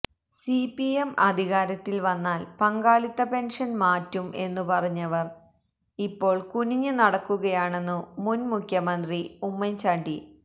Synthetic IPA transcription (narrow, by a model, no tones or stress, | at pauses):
sipiemɐd̪ʱiɣaːɾɐt̪ːilʋɐnːaːlpɐŋɡaːɭit̪ːɐpe̞nʂɐnmaːtːumʔe̞nːupɐrɐɲːɐʋɐr | ipːo̞ːɭkuniɲːɨnɐɽɐkːuɣɐjaːɳe̞nːumunmukʰjɐmɐnd̪riumːɐɲt͡ɕaːɳɖi